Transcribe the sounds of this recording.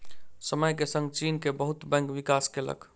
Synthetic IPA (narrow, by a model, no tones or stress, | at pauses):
səməjkesə̃ŋɡt͡ʃiːnkebəɦʊt̪bɛ̃ːŋkʋɪkaːskelə̰kʰ